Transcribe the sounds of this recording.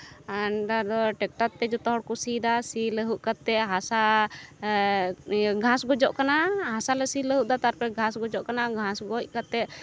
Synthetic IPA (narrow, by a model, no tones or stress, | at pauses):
anɖad̪ɔʈɛk̚ʈat̪ːɛd͡ʒɔt̪ɔɦɔɽkusid̪asiləɦuʔkat̪ːɛʔɦasa | ɡʱãsɡɔd͡ʒɔʔkanaɦasalɛsiləɦuʔ̚d̪at̪aɾpɛɡʱãsɡɔd͡ʒɔʔkanaɡʱãsɡɔc̚kat̪ːɛʔ